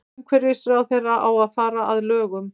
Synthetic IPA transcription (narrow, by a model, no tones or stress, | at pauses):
mkʰvɛɾɪsɾaːwθejrːaʔawaðfaːɾaʔaðlœːɣʏm